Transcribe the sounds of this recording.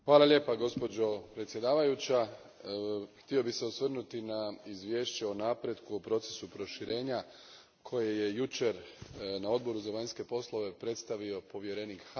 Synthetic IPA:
xʋaːlˠalʲʎʲje̞ːpaɡo̞spo̞d͡ʒo̞pɾet̪sʲje̞d̪aːʋajut͡ɕa | xt̪io̞bixse̞osʋr̩nut̪inaizʋje̞ːʃt͡ɕe̞onapɾe̞d̪kuopɾo̞t̪se̞̥supɾo̞ʃiɾʔe̞ːɲa | kʰo̞je̞je̞jut͡ʃe̞ɾnao̞d̪̚bo̞ɾuzaʋaɲske̞po̞slˠo̞ʋe̞pɾe̞t̪st̪aʋio̞po̞ʋje̞ɾe̞nikx

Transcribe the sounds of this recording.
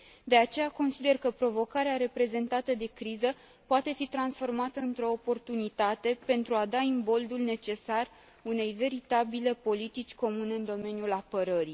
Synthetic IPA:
d̪e̞at͡ʃe̞jako̞nsid̪e̞rkəpɾo̞vo̞kaɾeaɾe̞pɾe̞ze̞nt̪at̪əd̪e̞kɾizə | poat̪e̞fit̪ɾansfo̞rmat̪əɨnt̪ɾo̞ːpo̞rt̪unit̪at̪e̞pe̞nt̪ɾuad̪aimbo̞ld̪ulne̞t͡ʃe̞sar | une̞jve̞ɾit̪abile̞po̞lit̪it͡ʃʲko̞mune̞ɨnd̪o̞me̞njulapəɾəɾi

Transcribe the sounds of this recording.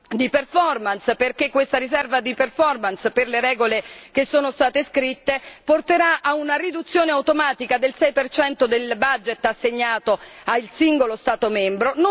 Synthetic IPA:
d̪iperfɔrmansperkekːwest̪aɾisɛrvad̪iperfɔrmansperleɾɛːɡolekesːoːnost̪aːt̪eskɾit̪ːeport̪eɾaʔaunarid̪ut̪sːjoːneawt̪omaːt̪ikad̪elsɛjpert͡ʃɛnt̪od̪elbad͡ʒet̪ːasːeɲːaːt̪oailsiŋɡolost̪aːt̪omɛmbɾono

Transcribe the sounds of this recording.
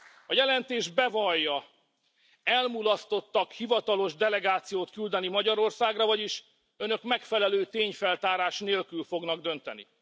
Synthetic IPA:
ɒjɛlɛnt̪eːʒbɛvɒjːɒ | ɛlmulɒst̪o̞t̪ːɒkhivɒt̪ɒlo̞ʒd̪ɛlɛɡaːt̪sijoːt̪kyld̪ɛnimɒɟɒɾo̞rsaːɡrɒvɒɟiʃ | ø̞nø̞kmɛkfɛlɛløːt̪eːɲfɛlt̪aːɾaːʃneːlkylfo̞ɡnɒɡd̪ønt̪ɛ̰nḭ

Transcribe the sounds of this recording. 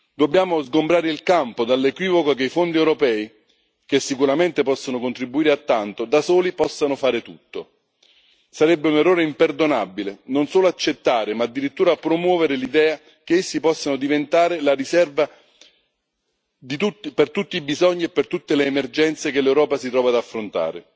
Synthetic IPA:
d̪obːjaːmozɡombɾaːɾeilkampod̪alːekwiːvokokeifond̪iewɾopɛːi | kesːikuɾament̪epɔsːanokont̪ɾibːuiːɾeat̪ːant̪od̪asoːlipɔsːanofaːɾet̪ut̪ːo | saɾɛbːeunerːɔːɾeimperd̪onabilenonsoːloat͡ʃːet̪ːaːɾɪmaːd̪ːiɾit̪ːuːɾapɾomwɔːveɾɪlid̪ɛːa | k̟eesːipɔsːanod̪ivent̪aːɾɪlarisɛrva | d̪it̪ut̪ːpert̪ut̪ːibizɔɲːiepːert̪ut̪ːeleːmerd͡ʒɛnt̪sekelːɛwɾɔːpasit̪ɾɔːvad̪afːɾont̪a̰ːɾḛ

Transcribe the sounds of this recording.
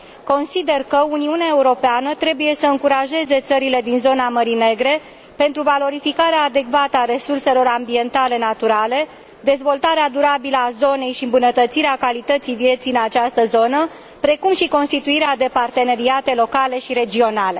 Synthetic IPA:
ko̞nsid̪e̞rkəuniuneaeuɾo̞peanət̪ɾe̞buje̞səɨŋkuɾaʒe̞ze̞t̪səɾile̞d̪inzo̞naməɾine̞ɡɾe̞ | pe̞nt̪ɾuvalo̞ɾifikaɾeaːd̪e̞kvat̪əaɾe̞surse̞lo̞ɾambie̞nt̪ale̞nat̪uɾale̞ | d̪e̞zvo̞lt̪aɾead̪uɾabiləazo̞ne̞jʃiɨmbunət̪ət̪siɾeakalit̪ət̪sijvje̞t̪sijɨnat͡ʃast̪əzo̞nə | pɾe̞kumʃiko̞nst̪it̪uiɾead̪e̞part̪e̞ne̞ɾiat̪e̞lo̞kale̞ʃiɾe̞d͡ʒio̞nale̞

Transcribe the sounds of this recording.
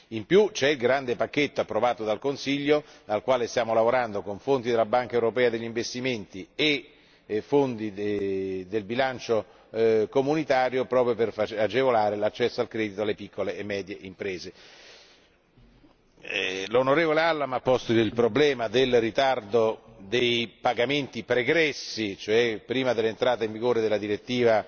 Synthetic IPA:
impjut͡ʃɛilɡɾand̪epakːet̪ːoapːɾovaːt̪od̪alkonsiʎːod̪alkwaːlest̪jaːmolavoɾand̪okoɱfont̪id̪elabaŋkaewɾopɛːad̪eʎːiɱvest̪iment̪ie | fːond̪i | d̪elbilant͡ʃo | komunit̪aːɾjopɾɔːpɾjoperfat͡ʃad͡ʒevolaːɾelat͡ʃːɛsːoalkɾɛːd̪it̪oalːepikʰːoleːmːɛːd̪jeʔimpɾeːze | lonoɾeːvolealːamapːɔst̪oilpɾoblɛːmad̪elrit̪ard̪od̪ejpaɡament̪ipɾeɡɾɛsːit͡ʃoɛpːɾiːmad̪elːent̪ɾaːt̪eiɱviɡoːɾed̪elːad̪iɾet̪ːiːva

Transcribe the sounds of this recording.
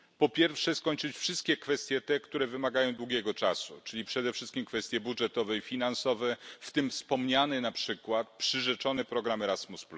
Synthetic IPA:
pɔpʲjɛɾfʂɛskɔɲt͡ʂɘt͡ɕfʂɘst̪̚kʲɛkfɛst̪ʲjɛt̪ɛkt̪uɾɛvɘmaɡajɔ̃w̃d̪wuɡʲɛɡɔt͡ʂasṵt͡ʂɘlʲipʂɛd̪ɛfʂɘst̪kʲimkfɛst̪ʲjɛbudʐɛt̪ɔvɛifʲinansɔvɛft̪ɘmfspɔmɲanɛnapʂɘkwat̪̚pʂɘʐɛt͡ʂɔnɛpɾɔɡɾamɛɾasmuspl

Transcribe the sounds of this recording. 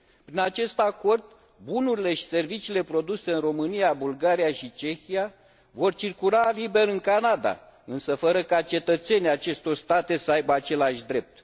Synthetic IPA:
pɾinat͡ʃe̞st̪ako̞rd̪̚ | bunuɾile̞ʃi̥se̞rvit͡ʃiːle̞pɾo̞d̪use̞ɨnro̞mɨnijabulɡaɾijaʃit͡ʃe̞xija | vo̞rt͡ʃirkulalibe̞ɾɨŋkanad̪a̰ | ɨnsəfəɾəkat͡ʃe̞t̪ət̪se̞nʲiat͡ʃe̞st̪o̞rst̪at̪e̞səajbəat͡ʃe̞laʃʲd̪ɾe̞p̚t̪

